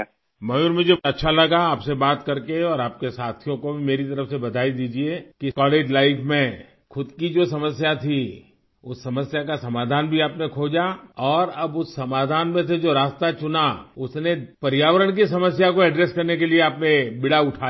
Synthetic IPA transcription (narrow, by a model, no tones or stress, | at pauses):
mɐjʊːɾmʊd͡ʒʱeɐtːʃʰalɐɡaaːpsebaːt̪kɐɾkeɔːɾaːp̚kesaːt̪ʰijõkobʱimeːɾit̪ɐɾəfsebɐd̪ʱaːid̪iːd͡ʒiekikɔːleːd͡ʒlaːɪfʰmẽ | xʊd̪kid͡ʒoːsɐməsjat̪ʰi | ʊsːɐməsjakasɐmaːd̪ʱaːnbʱiaːpnekʰoːd͡ʒaɔːɾɐbʊsːɐmaːd̪ʱaːnmẽsed͡ʒoːɾaːst̪at͡ʃʊnaʊsnepɐɾjaːʋəɾəɽ̃k̬is̬ɐməsjakoɛɖɾeːskɐɾnekelieaːpnebɪɽaʊʈʰaː